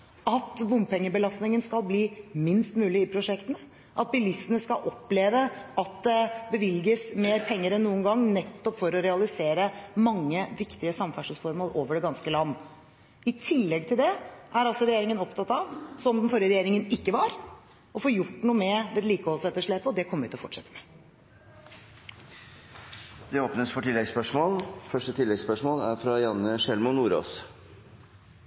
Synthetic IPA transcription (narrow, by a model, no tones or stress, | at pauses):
ɑt̪ʋʊmpʰɛŋːəbəlɑst̪nɪŋənskɑlˠbliːmɪnst̪mʉːlɪɪpʰɾʊʂɛkt̪ənə | ʔɑt̪̚bɪlɪsənəskɑlʔɔpːleːʋəɑt̪̚d̪ɛbəʋɪlɡəsmeːɾpʰɛŋːəɾɛnnːuːənɡɑŋːnɛt̪ːɔpfɔɾɔɾɛɑlɪseːɾəmɑŋːəʋɪkt̪ɪəsɑmfæʂəsfɔɾmoːlʔoːʋəɖɛɡɑnskəlɑnː | ɪt̪ʰɪlːɛɡ̚t̪ʰɪld̪ɛʔæɾɑlsɔɾɛjeːɾɪŋənɔpt̪ʰɑt̪ɑʋsɔmd̪ɛnfɔɾjəɾɛjeːɾɪŋənɪkːəʋɑɾ | ɔfoːjʊʈːnuːəmɛd̪ɛd̪liːkəoːsɛt̪ːəʂɭeːpəɔd̪ɛkʰɔmːəɾʉt̪ːɔfɔʈʂɛt̪ːə̥mɛ | d̪ɛoːpnəsfɔʈɪlːɛɡspœʂmoːlfœʂʈət̪ʰɪlːɛɡspœʂmoːlæɾfɾɑjɑnəʂɛlmʊnːuːɾo̰ːs